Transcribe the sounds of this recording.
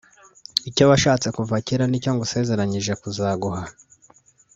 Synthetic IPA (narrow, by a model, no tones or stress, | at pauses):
ico̞βaʃaːt͡se̞kuvaciɾanico̞ŋɡuse̞ze̞ɾaɲiʒe̞kuzaːɡuɦa